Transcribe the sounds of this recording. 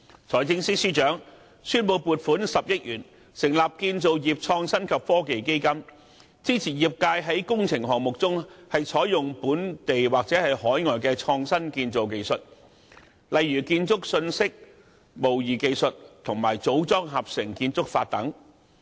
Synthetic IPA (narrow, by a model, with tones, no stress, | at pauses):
t͡sʰɔː˨˩jt͡sɪ˥˧ŋsi˥siː˥t͡ʃœː˨˥ŋ | syː˥npo˨˧wpuː˨t̚fuː˨˥nsɐ˨p̚jɐ˥t̚jyː˨˩n | sɪ˨˩ŋlaː˨p̚kiː˧nt͡so˨wjiː˨p̚t͡ʃʰɔː˧ŋsɐ˥nkʰɐ˨p̚fɔː˥ke˨jke˥jkɐ˥m | t͡siː˥t͡sʰiː˨˩jiː˨p̚kaː˧jɦɐ˨˥jkʊ˥ŋt͡sʰɪ˨˩ŋɦɔː˨ŋmʊ˨k̚t͡sʊ˥ŋhɐ˨jt͡sʰɔː˨˥jjʊ˨ŋpuː˨˥nt̪e˨jwaː˨k̚t͡sɛː˨˥hɐ˨jhɔː˨˥jŋɔː˨jk̬ɛː˧t͡ʃʰɔː˧ŋsɐ˥nkiː˧nt͡so˨wke˧jsɵ˨t̚ | lɐ˨jːyː˨˩kiː˧nt͡sʊ˥k̚sɵ˧nsɪ˥k̚ | mo˨˩wjiː˨˩ke˧jsɵ˨t̚t̪ʰʊ˨˩ŋmaː˨˩jt͡so˨˥wt͡sɔː˥ŋɦaː˨˩p̚sɪ˨˩ŋkiː˧nt͡sʊ˥k̚faː˧t̚t̪ɐ˨˥ŋ